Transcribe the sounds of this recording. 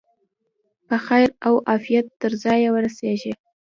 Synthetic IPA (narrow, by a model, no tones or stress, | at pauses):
pəxajɾawʔɑfijat̪ːəɾzɑjewəɾaseʒe